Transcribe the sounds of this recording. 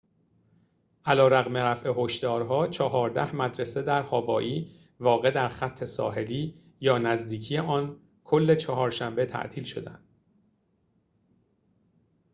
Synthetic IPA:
ʔælɒːɾæɣme̞ɾæfe̞ɦoʃd̪ɒːɾɦɒːt͡ʃʰɒɦɒːɾd̪æhmæd̪ɾe̞se̞d̪æɾhɒːvɒ̰ːʔiː | vɒːɣe̞d̪æɾxæt̪ʰːe̞sɒ̰ːɦe̞liː | jɒːnæzd̪iːcʰijeʔɒːn | kʰo̞lːe̞t͡ʃʰɒɦɒːɾʃæmbe̞t̪ʰæ̰ʔt̪ʰiːlʃo̞̰d̪æ̰nd̪̥

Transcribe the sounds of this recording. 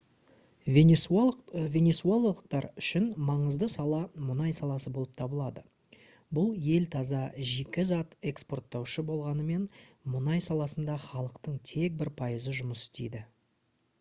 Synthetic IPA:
vʲe̞nʲe̞sualˠɑlˠəq̚t̪ɑɾʏʃɪnmɑɴəzd̪əsɑlˠɑmʊnɑjsɑlˠɑsəbolˠəp̚t̪ʰɑbəlˠɑd̪ə | bʊlˠje̞lt̪ʰɑzɑʒe̞kʲɪzat̪e̞kspo̞rt̪ːɑwʃəbo̞lˠʁɑnəme̞nmʊnɑjsɑlˠɑsənd̪ɑχɑlˠəqt̪əɴt̪ʰe̞k̚bɪɾpʰɑjəzəʒʊməsɪ̥st̪e̞̰jd̪ɪ

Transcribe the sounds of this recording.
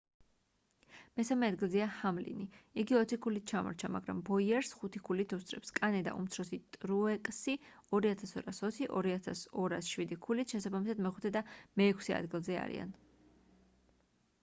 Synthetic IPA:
mɛsamɛad̪ɡilˠzɛahamlḭniiɡiɔt̪sʰikʰulit̪̚ʰt͡ʃʰamɔ̰ɾt͡ʃʰamaɡɾa̰mbɔiɛɾsχut̪ʰikʰulit̪ʰust̪ʼɾɛpskʼanɛd̪a̰ʔumt̪sʰɾɔsit̪ʼɾuɛkʼsiɔɾiat̪ʰasɔɾasɔt̪sʰiʔɔ̰ɾiat̪ʰasɔɾasʃwid̪ikʰulit̪ʃɛsabamisad̪mɛχu̥t̪ʰɛd̪amɛːkʰsɛa̰d̪ɡilˠzɛa̰ɾḭa̰n

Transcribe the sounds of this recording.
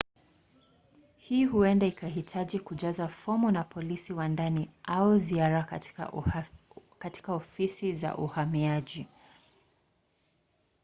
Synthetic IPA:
hiːɦuɛndaikaɦitʰaʄikuʄazafɔmunapʰɔlisiwandaniʔauziaɾa | kati̥kaɔfisiza̰ʔuhamiaʄi

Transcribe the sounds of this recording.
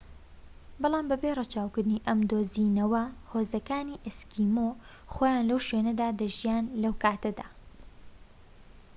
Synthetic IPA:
bɑlˠaːmbɐberˤɐt͡ʃaːwkɨɾd̪niːʔɐmd̪oːzinɐwɐhozɐkaːniʔɛskʰiːmoː | xoːjaːnlɐwʃweːnɐd̪aːd̪ɐʒijaːnlɐwkʰaːt̪ɐd̪a̰ː

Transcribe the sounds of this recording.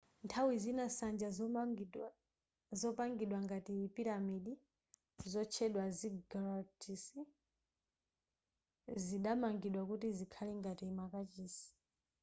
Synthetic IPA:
ntʰawizinasand͡ʒa | zɔpaŋɡiɗwaŋɡatipiɾamiɗi | zɔt͡ʃʰɛɗwaziɡaɾatisi | ziɗamaŋɡiɗwakutizikʰaliŋɡatimakat͡ʃiːsi̥

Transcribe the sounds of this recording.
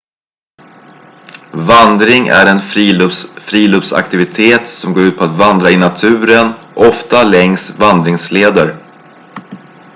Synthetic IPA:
vand̪ɾɪŋæ̰ɾɛnfɾiːlɵpsfɾiːlɵːpsa̰kt̪ɪvɪt̪ʰeːt̪sɔmɡoːɾʉ̟t̪̚pʰɔat̪vand̪ɾaɪnat̪ʰʉ̟ːɾən | ʔɔft̪alɛŋsvand̪ɾɪŋsleːd̪əɾ

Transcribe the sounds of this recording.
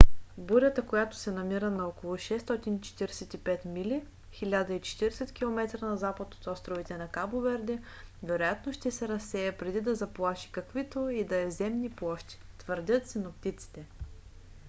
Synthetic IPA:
buɾʲət̪əkojat̪o̥sɛnɐmiɾənɐokolˠʊʃɛst̪ɔt̪init͡ʃɛ̥t̪iɾɛsɛt̪ipɛt̪mili | xilʲad̪ɐit͡ʃɛ̥t̪iɾɛsɛt̪kʲilˠomɛt̪ɾənɐzapət̪o̥t̪ɔst̪ɾovit̪ɛnɐkabˠovɛɾd̪ɛ | vɛɾojat̪noʃt̪ɛsɛɾɐsːɛjɛpɾɛd̪id̪ɐzɐplˠaʃi̥kɐkvit̪oid̪ɐɛzɛmniplˠɔʃt̪i̥t̪vəɾd̪ʲət̪sinopt̪it̪si̥t̪ɛ

